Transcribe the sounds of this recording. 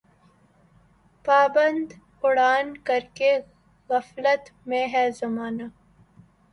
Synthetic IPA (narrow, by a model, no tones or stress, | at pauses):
paːbɐ̃nd̪ | ʊɽaːnkɐɾke | ɣɐflət̪mẽɦɛzɐmaːna